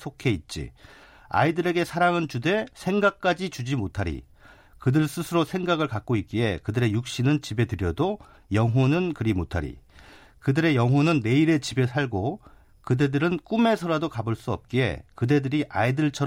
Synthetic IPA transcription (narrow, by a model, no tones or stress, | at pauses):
sʰokʰe̞it̚t͡ɕ͈ḭ | a̰idɯɾe̞ɡe̞sʰaɾaŋɯnt͡ɕude̞sʰe̞ŋɡak̚k͈ad͡ʑit͡ɕud͡ʑimotʰaɾḭ | kɯdɯɭs͈ʰɯsʰɯɾosʰe̞ŋɡaɡɯɭkak̚k͈oit̚k͈ie̞kɯdɯɾe̞juk̚ɕ͈inɯnt͡ɕibe̞tɯɾjʌdo | jʌŋɦonɯnkɯɾimotʰaɾḭ | kɯdɯɾe̞jʌŋɦwonɯnːe̞iɾe̞t͡ɕibe̞sʰaɭɡo | kɯde̞dɯɾɯnk͈ume̞sʰʌɾadokabɯɭs͈uʌ̰p̚k͈iḛkɯde̞dɯɾiʔa̰idɯɭt͡ɕʰʌɾ